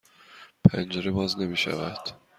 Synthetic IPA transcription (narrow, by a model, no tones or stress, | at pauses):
pʰænd͡ʒeɾebɒːzne̞miːʃæ̰væd̪̥